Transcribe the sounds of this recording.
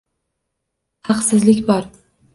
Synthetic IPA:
hɑqsɪzlɪkʲbɒɾ

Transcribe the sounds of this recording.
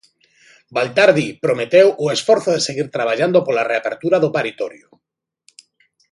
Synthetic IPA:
balt̪aɾðipɾomet̪ewoesfɔɾθoðeseɣiɾt̪ɾaβ̞aʎand̪opolareapeɾt̪uɾaðopaɾit̪ɔɾjʊ

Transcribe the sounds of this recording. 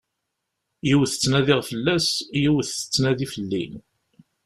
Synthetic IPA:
jiwθə̥t͡sːnæðɪʁfəlːæsjiwθθə̥t͡sːnæðifəlːḭn

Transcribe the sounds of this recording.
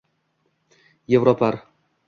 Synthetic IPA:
jevɾopʰaɾ

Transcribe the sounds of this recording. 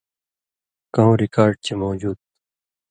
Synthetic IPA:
kɐ̃ɦõɾikaːɾɖ̚t͡ɕemoːd͡ʑuːd̪̚

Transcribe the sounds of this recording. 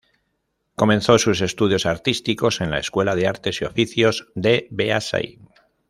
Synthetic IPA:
ko̞mẽ̞nθo̞sus̬e̞st̪uð̞jo̞saɾt̪ist̪iko̞se̞nlaeskwe̞laðe̞aɾt̪e̞sio̞fiθjozd̪ebeasa̰ḭ

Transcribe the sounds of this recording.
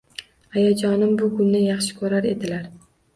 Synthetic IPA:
ajad͡ʒɒnɪmbʊɡʊnːɪjɑχʃɪ̥kʰɵɾaɾe̞d̪ɪlaɾ

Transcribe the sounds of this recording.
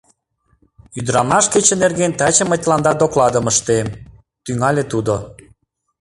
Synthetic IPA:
yd̪ɾɑmɑʃket͡ɕenerɣent̪ɑt͡ɕə̆mətʲlɑnd̪ɑd̪oklɑd̪əməʃt̪em | t̪yŋɑlʲet̪ud̪o

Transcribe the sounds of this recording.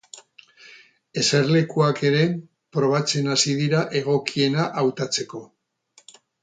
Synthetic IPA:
e̞seɾle̞kuake̞ɾe̞ | pɾo̞β̞at͡se̞nasiðiɾaʔe̞ɣ̞o̞kie̞naʔawt̪at͡se̞ko̞

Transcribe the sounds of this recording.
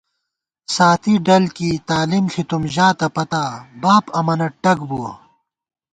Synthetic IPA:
saːt̪ʰiɖɐlkit̪aːlimɬʰit̪umʑaːt̪ɐpɐt̪aːbaːpɐmɐnɐʈɐɡbuwɐ

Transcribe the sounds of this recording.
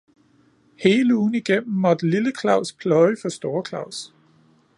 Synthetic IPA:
he̝ːləuːn̩iɡ̥em̰m̩ːɒd̥əliləkʰlɑ̈ʊ̰spʰlɒɪfɒ̽sd̥o̝ːɐkʰlɑ̈ʊ̰s

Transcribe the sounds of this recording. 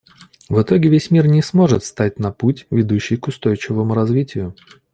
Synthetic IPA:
vɨt̪o̞ɡʲɪvʲesʲmʲirnʲɪsmo̞ʐɨt̪st̪atʲnɐputʲvʲɪd̪uɕːɪjkʊst̪o̞jt͡ɕɪvəmʊɾɐzvʲitʲɪjʊ

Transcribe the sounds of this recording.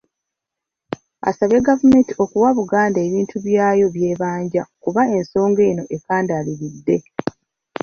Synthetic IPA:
a̰saβe̞ɡavumeːntio̞kuwaβuɡaːndaeβiːntʰuβjaːjo̞βje̞ːβaːɲɟakuβae̞nso̞ːŋɡe̞ːno̞ʔe̞kaːndaːliɾidːe̞

